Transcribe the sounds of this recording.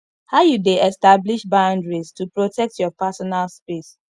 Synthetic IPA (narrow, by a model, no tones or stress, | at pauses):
haʊjudeɛstabliʃbãʊ̃ndɹistupɹotɛk̚tjɔpasɔnalspes